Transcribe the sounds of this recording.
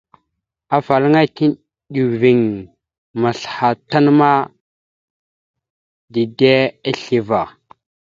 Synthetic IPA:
a˨fa˨lə˦ŋa˦ki˦n | ɗu˨vi˨ŋ | ma˨ɬha˨ta˦n˦ma˦ | di˨de˦a˦ɬi˨va˨

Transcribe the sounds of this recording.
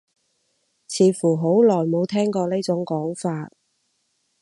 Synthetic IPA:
t͡sʰiː˨˧˥fuː˨˩ɦo˨˥wlɔː˨˩jmo˨˧wt̪ʰɛː˥ŋkɔː˧ne˥t͡sʊ˨˥ŋkɔː˨˥ŋfaː˧t̚

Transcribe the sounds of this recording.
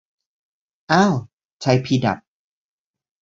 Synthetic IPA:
ʔaː˧˥˩w | t͡ɕʰa˧˥jpʰiː˧˩da̰˨˩t̪̚

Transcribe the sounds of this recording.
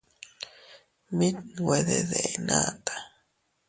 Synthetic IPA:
mi˦t̪we˨ðḛ˨ðe˨enat̪ḁ˨

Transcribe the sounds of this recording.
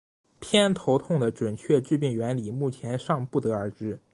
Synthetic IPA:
pʰjɛ˥nt̪ʰo˧˥ʊt̪ʰʊ˥˩ŋd̪ə˩ʈ͡ʂwə˨˩nt͡ɕʰɥɛ˥˧ʈ͡ʂɻ̩˥˧pi˥˩ŋɥɛ˧˥nli˨˩mu˥˩t͡ɕʰjɛ˧˥nʂɑ˥˧ŋpu˥˩t̪ɤ˧˥ə˞˧˥ʈ͡ʂɻ̩˥

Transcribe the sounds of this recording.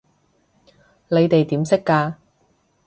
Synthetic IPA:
le˨˧jt̪e˨jt̪iː˨˥msɪ˥kːaː˧

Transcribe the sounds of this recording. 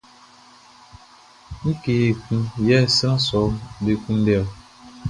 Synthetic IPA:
ŋ̩˦ke˨e˨kũ˦jɛ˦˨sa˦sɔ˨˦be˨kũ˦n̩˦dɛ˦˨

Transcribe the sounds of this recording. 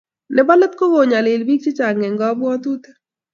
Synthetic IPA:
lɪ˨ba˦lə˦t̪̚ko˦ɡo˨ɲa˨lɪ˨lbi˦k̚t͡ʃɪ˦t͡ʃa˨ŋɛ˨ŋɡɔ˦bwɔ˦t̪u˦t̪e˦

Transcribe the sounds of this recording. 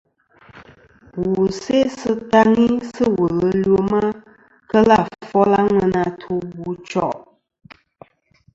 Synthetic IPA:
wu˨se˦sɨ˦ta˦ŋi˦sɨ˦wə˨lə˦lo˦ma˦ | kə˦la˦˨fɔ˦la˦ŋə˧na˧tʰu˦bu˨t͡ʃɔ˦˨ʔ

